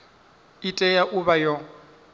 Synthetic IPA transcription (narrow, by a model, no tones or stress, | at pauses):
itʼɛjaʔuβajɔ